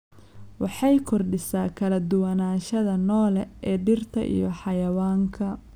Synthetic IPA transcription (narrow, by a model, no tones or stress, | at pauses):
wɑħɑjkʰɔrɖɪsaːkʰɐlɐd̪ʊwɐnaːʃɐðɐnɔːlɛɛːɖɪrt̪ʰɐʔḭjɔħɑjɐwaːŋkʰɐ